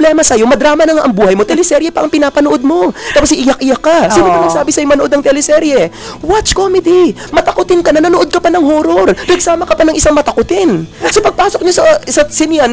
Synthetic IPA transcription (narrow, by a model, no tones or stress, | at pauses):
blɛːmɐsɐjo̞mɐd̪ɾaːmɐnɐŋaʔɐŋbuːhɐjmo̞t̪ɛlɛsɛɾjɛpɐʔɐŋpɪnaːpɐnoʔo̞d̪̚mo̞k̪aːpos̬ʔɪjak̚ʔɪjakːasiːnopɐnɐɡɡsaːbɪsɐjomɐnoʔod̪nɐŋt̪ɛlɛsɛɾjɛ | wat͡ʃkoːmɛd̪i | mɐt̪ɐkʊt̪ɪnkɐnɐnɐnoʔo̞d̪̚kɐpanɐŋhoːɾoɾnɐɡ̚saːmɐkɐpanɐŋʔɪsaŋmɐt̪ɐkʊt̪ɪnsopɐɡ̚paːso̞k̚ɲosɐsɐsɪnjan